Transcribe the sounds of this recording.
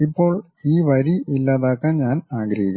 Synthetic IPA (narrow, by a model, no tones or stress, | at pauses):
ipːo̞ːɭ | iːʋɐɾiʔilːaːðaːkːaːmɲaːnaːɡɾɐɦikʲː